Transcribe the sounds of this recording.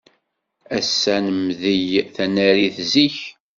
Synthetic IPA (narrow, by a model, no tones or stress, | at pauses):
æsːænəmðijθænæɾiθziç